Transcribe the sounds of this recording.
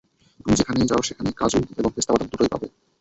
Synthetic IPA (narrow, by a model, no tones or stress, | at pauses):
t̪umid͡ʑekʰanejd͡ʑaoɾʃekʰanekad͡ʑuneboŋɾist̪apad̪at̪oɾojpa̰be